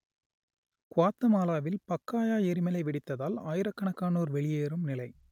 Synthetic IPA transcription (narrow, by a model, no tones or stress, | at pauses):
kʊaːt̪ːɐmaːlaːʋɪlpɐkːaːjaːjɛɾɪmɐlɐɪʋɪɽɪt̪ːɐðaːlaːjɪɾɐkːɐɳɐkːaːnoːɾʋɛɭɪjeːɾɯmnɪlɐɪ